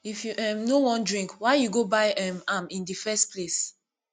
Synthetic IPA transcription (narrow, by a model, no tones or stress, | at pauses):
ifjuʔɛ̃mnowɔ̃ndɹĩŋkwaɪjuɡobaɪɛ̃mamĩndifɛstpʰles